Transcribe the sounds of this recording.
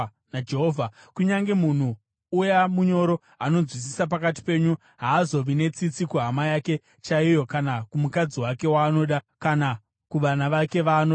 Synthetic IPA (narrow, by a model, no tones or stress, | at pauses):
nad͡ʒeɦovʱa | kuɲaŋɡe̞mun̤uː | jamuɲo̞ɾo̞ | ano̞zwis̬isap̬akati̥pe̞ːɲu | ɦaːzo̞ʋine̞t͡sit͡sikuɦamajake̞ | t͡ʃaijo̞kanakumukad͡ziwake̞waːno̞ɗa | kana | kuʋanaʋake̞ʋaːno